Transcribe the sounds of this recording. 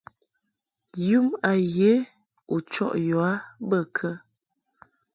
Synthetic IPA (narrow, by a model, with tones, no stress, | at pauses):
jʉ˦ma˨je˨˦ | u˨t͡ʃɔ̰˦ʔjɔ˨a˦bə˦˨kʰə˦